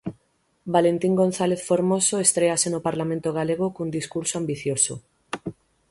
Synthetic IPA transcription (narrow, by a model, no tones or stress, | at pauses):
balent̪iŋɡon̟θaleθfoɾmosoest̪ɾeasenopaɾlamẽnt̪oɣ̞aleɣokund̪iskuɾsoambiθjoso